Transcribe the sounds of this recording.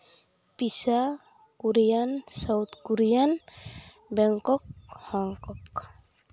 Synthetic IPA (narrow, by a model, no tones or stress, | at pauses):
pisa | kuɾijansawt̪kuɾijan | bɛŋkɔk̚hɔŋkɔk